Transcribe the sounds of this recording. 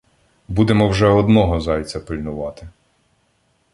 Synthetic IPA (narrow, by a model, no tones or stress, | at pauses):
bud̪emɔwʒɛɔd̪nɔɦɔzɑjʲt͡sʲɐpɪlʲnʊʋɑt̪ɪ